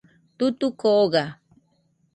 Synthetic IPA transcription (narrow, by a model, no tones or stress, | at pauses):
t̪ʊt̪ʊkoɢɑ